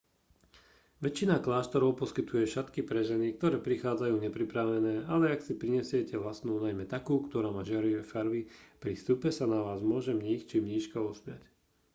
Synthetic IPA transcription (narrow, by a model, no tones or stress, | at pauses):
ʋɛt͡ʃːinaklaːʃt̪ɔɾɔʊpɔskit̪ujɛʃat̪kipɾɛʒɛnik̚t̪ɔɾɛːpɾixaːd͡zajuːɲɛpɾipɾaʋɛnɛːalɛaksipɾiɲɛsɪɛcɛʋlasnuːnajmɛt̪akuːkt̪ɔɾaːmaːʒɪaɾiɛfaɾʋipɾist̪uːpɛsanaʋaːzmʊɔʒɛmɲixt͡ʃimɲiːʃkaɔsmɪac